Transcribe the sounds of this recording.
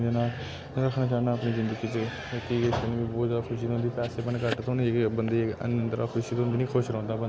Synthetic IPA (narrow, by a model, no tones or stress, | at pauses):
d͡ʒenaː | ɾəkʰnaːt͡ʃaːnaːəpniːzɪnd̪əɡiːt͡ʃ | k̪iːɪst̪ənĩːbiːboːaːkʰʊʃiːt̪ʊ̃nd̪iːpɛːseːpənkəʈt̪ʊnːbənd̪eːə̰nə̃nt̪əɾa̰ːkʰʊʃiːt̪ʊ̃nd̪iːnĩːkʰʊʃɾɔ̃ːnd̪ãːbə